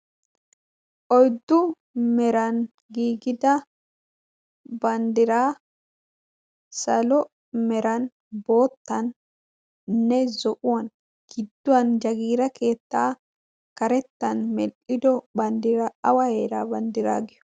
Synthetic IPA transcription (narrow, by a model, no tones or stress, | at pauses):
ʔɔjd̪ːʊ | mɛɾɐn | ɡiːɡɪd̪ɐ | bɐnd̪ɪɾaː | sɐlɔ | mɛɾɐn | bo̞ːt̪ːɐn | nɛzɔʔʊwɐn | ɡ̥ɪd̪ːʊwɐnd͡ʒɐɡiːɾɐkʰe̞ːt̪ːaː | kɐɾɛt̪ːɐnmɛlʔɪd̪ɔbɐnd̪ɪɾɐɐwɐheːɾa̰ːbɐnd̪ɪɾa̰ːɡɪjɔ̥